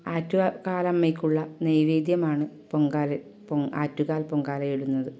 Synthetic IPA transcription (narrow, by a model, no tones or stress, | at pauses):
aːtːukaːlɐmːɐjkʲːuɭːɐnejʋiːd̪jɐmaːɳɨ | poŋɡaːlɐ | paːtːuɣaːlpoŋɡaːlɐjiɽunːɐðɨ